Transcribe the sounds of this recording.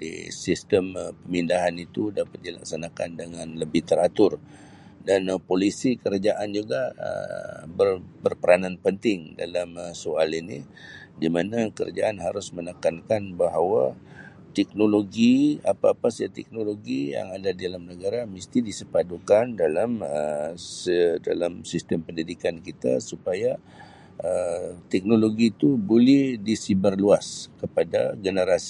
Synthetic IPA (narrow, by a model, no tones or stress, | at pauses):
dḭsist̪əmpəmindaɦanit̪udapat̪̚dila̰ksanaka̰ndəŋanləbɪht̪əɾat̪ʊr | danpolisikəɾad͡ʒaʔand͡ʒuɡa̰ | bərbərpəɾananpənt̪ɪŋda̰lamsoalini | dimanakəɾa̰d͡ʒaʔanɦaɾʊsmənəkankanbaɦawa | t̪ɛk̚noloɡiapaːpasaat̪ɛ̰k̚noloɡija̰ŋadadialamnəɡaɾaməst̪idisəpadokandalamə̰sda̰lamsist̪əmpəndidikankit̪a̰supaja | ət̪ɛk̚noloɡit̪ubolɛhdisibərluaskəpadaɡənəɾasi̥